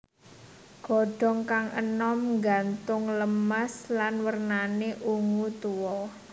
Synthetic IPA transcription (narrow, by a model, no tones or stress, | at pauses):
ɡ̥ɔ̤ɖ̥ɔ̤ŋkaŋʔə̰nɔmŋɡant̪ʊŋləmaslanwərnaneʔuŋut̪uwɔ